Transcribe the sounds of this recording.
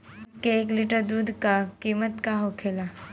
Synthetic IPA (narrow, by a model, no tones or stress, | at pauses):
skeːkliʈəɾd̪uːd̪ʱkakiːmət̪kaɦokʰeːla